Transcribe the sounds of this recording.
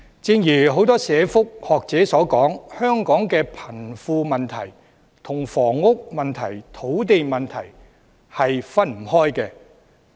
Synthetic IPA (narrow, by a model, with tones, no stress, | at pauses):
t͡sɪ˧ŋjyː˨˩ɦo˨˥wt̪ɔː˥sɛː˨˧fʊ˥k̚hɔː˨k̚t͡sɛː˨˥sɔː˨˥kɔː˨˥ŋhœː˥ŋkɔː˨˥ŋkɛː˧pʰɐ˨˩nfuː˧mɐ˨nt̪ʰɐ̰˨˩j | t̪ʰʊ˨˩ŋfɔː˨˩ŋːʊ˥k̚mɐ˨nt̪ʰɐ˨˩jt̪ʰo˨˥wt̪e˨jmɐ˨nt̪ʰɐ˨˩j | hɐ˨jfɐ˥nm̩˨˩hɔː˥jkɛː˧